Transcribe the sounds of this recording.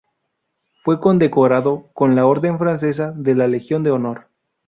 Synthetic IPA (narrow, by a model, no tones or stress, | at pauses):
fwe̞ko̞nd̪e̞koɾaðo̞ko̞nlao̞ɾðe̞ɱfɾanse̞s̬aðe̞lale̞xjo̞nd̪e̞ono̞ɾ